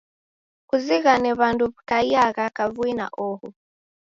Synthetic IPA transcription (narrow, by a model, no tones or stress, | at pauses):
kuziɣanɛβanduβkajaɣakavwina̰ʔɔhu